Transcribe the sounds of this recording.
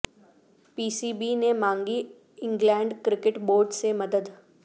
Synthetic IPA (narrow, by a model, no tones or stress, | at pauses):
piːsiːbinemãːŋɡi | ɪ̃ŋɡlɛ̃ːɳɖkɾɪkɪʈboːɾɖsemɐd̪əd̪